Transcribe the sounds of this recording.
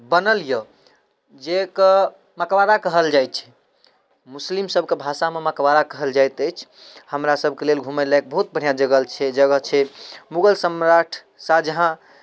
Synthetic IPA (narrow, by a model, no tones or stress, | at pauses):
bənəljə | d͡ʒekə | makwaɾakəɦəld͡ʒajt̪̚t͡ʃʰɛ̥ | muslimsəbʱkebʱasamemakwaɾakəɦəld͡ʒajt̪əjt͡ʃʰ | həmɾasəbʱkelelɡʱumelak̚bəɦut̪̚bəɽ̤ijad͡ʒəɡəlt͡ʃʰɛd͡ʒəɡəɦt͡ʃʰɛmuɡəlsəmɾaʈʰ | sad͡ʒəɦã